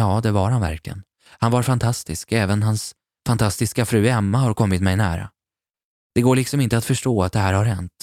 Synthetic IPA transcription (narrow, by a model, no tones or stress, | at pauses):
ɑːd̪ɛvaɾhanvæ̰ɾklɪɡə̰n | hanvaɾfant̪ʰast̪ɪskɛːvənɦans | fant̪ʰast̪ɪskafɾʉ̟ːɛmːahaɾkʰɔmːɪt̪mɛjnæ̰ːɾa̰ | d̪̥ɛɡoːɭɪksɔmɪnt̪əat̪fœʂʈoːat̪̚d̪ɛɦæːɾhaɾhɛnt̪